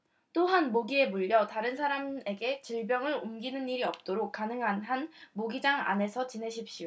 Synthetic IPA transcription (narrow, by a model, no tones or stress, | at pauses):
t͈oɦanmoɡie̞muʎːʌtaɾɯnsʰaɾame̞ɡe̞t͡ɕiɭbjʌŋɯɾumɡinɯniɾiʌp̚t͈oɾok̚k͈anɯŋɦanɦanmoɡid͡ʑaŋa̰ne̞sʰʌt͡ɕinɦe̞ɕʰip̚ɕ͈io